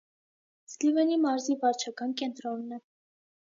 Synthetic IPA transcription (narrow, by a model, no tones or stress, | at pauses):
slivɛnimɑɾzivɑɾt͡ʃʰɑkɑnkɛnt̪ɾɔnːɛ